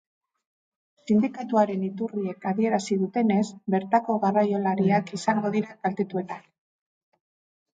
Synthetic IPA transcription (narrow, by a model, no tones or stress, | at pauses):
sind̪ikat̪uaɾe̞nit̪urie̞kaðie̞ɾasiðut̪e̞ne̞sbe̞ɾt̪ako̞ɣarajo̞laɾiakisaŋɡo̞ðiɾaɡalt̪e̞t̪ue̞t̪an